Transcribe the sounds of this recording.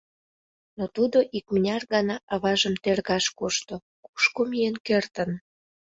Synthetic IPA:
not̪ud̪oʔik̚mənʲɑrɣɑnɑʔɑβɑʒəmt̪erɣɑʃkoʃt̪o | ku̥ʃkomijenkert̪ən

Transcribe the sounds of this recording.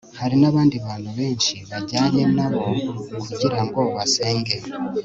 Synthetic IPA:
haɾinaβaːndiβaːnuβe̞ːɲʃiβaɟaːɲenaβo̞kuɟiɾaŋɡoːβase̞ːŋɡe̞

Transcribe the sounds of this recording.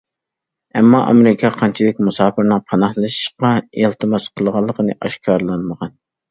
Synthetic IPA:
ɛmːɑʔɑ̰meɾɪkʰɑqʰɑnt͡ʃʰid̪ɪkʲmusɑːpɪɾnɨŋpʰɑnɑhlˠɨʃi̥ʃqɑelˠt̪ʰɨmɑsqʰəlˠʁɑlˠːəqənɨʔɑʃkʰɑɾlˠɑnməʁɑn

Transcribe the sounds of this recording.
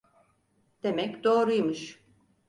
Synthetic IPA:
d̪̥e̞mɛcd̪o̞ːɾujmɯʃ

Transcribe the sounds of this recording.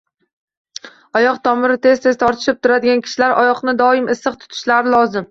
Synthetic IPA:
ɒjɒqt̪ʰɒmɪɾɪt̪ʰe̞zt̪ʰe̞zt̪ʰɒɾt̪ʰɪ̥ʃɪp̚t̪ʰʊɾad̪ɪɡʲankʲʰɪ̥ʃɪlaɾʔɒjɒqnɪd̪ɒɪmɪsːɨqt̪ʰʊ̥t̪ʰɪ̥ʃlaɾɪlɒzɪm

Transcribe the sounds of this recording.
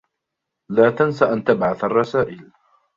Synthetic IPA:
laːt̪ansaʔant̪abʕaθarˤːɑsaːʔɪl

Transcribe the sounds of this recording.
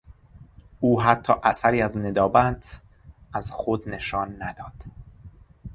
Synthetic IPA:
ʔuːɦæt̪ʰːɒːʔæsæɾiːæzne̞d̪ɒːbænd̪ | ʔæz̥xod̪ne̞ʃɒːnːæd̪̥ɒːd̪̥

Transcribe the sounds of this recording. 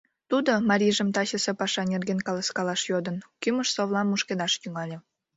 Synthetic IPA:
t̪ud̪omɑɾʲiʒəmt̪ɑɕəsepɑʃɑnʲerɣenkɑləskɑlɑʃjod̪ənkyməʃsoβlˠɑmːuʃked̪ɑʃt̪yŋɑlʲe

